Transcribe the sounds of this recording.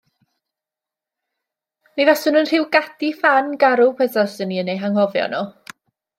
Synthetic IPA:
mivɛsʊnənr̥ɪwɡ̥adifanɡaɾʊpʰɛθɔsəniənejɦaŋhɔvjɔ̰nɔ

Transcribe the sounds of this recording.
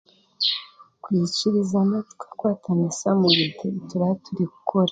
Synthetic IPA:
kwiːciɾizanatu̥kḁkwaːtʰanasamuβitetuɾahtʰuɾiku̥kʰoɾa

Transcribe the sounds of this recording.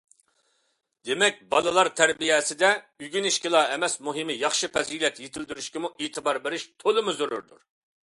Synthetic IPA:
d̪emɛk̚ʲbɑ̰lˠɨlˠɑɾt̪ʰɛɾbijɛːsɪd̪ɛ | yɡʲiniʃkʲɪlˠɑːɛmɛsmuɦɪmɪjɑχʃɨpʰɛzilɛt̪jet̪ʰɪld̪yɾyʃkʲɪmuʔeːt̪ʰɪbɑɾbeɾɪʃt̪ʰolˠɨmʊzyɾy̰ɾd̪uɾ

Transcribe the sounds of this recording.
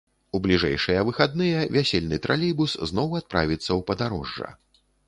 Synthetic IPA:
ublʲiʐɛ̰jʂɨjɐvɨxad̪̚nɨjɛvʲasʲelʲnɨt̪ɾʔalʲibusznɔwat̪̚pɾa̰vʲit̪sːɐwpɐd̪aɾɔʐːɐ̰

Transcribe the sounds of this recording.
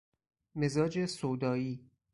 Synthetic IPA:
me̞zɒːd͡ʒesoːd̪ɒːiː

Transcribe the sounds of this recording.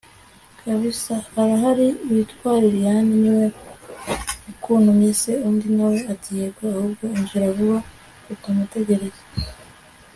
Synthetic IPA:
kʰaβisahːɾaɦaɾiːβitkwaːɾiβjaːniniwe | ukʰuːn̥humiseuːndinawe̞atijebɡaahuːbɡo̞iɲzuɾaβuβa | kutamute̞ɟe̞ɾeze

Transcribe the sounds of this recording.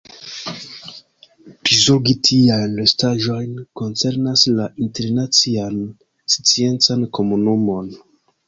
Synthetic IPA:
pizoɡitʰiajnlestaʒo̞jnko̞nt͡seɾnaslaʔinteɾnat͡sian | st͡sie̞nt͡sanko̞munumo̞n

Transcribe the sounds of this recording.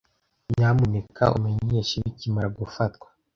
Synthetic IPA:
mamunekʰa̰ʔṵmeɲeʃiβicimaɾaɡufatkwḁ

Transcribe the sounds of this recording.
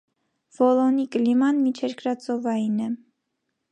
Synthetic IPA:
v̥ɔlɔnikəlimɑnmit͡ʃʰɛɾkɾɑt͡sɔvɑjinɛ

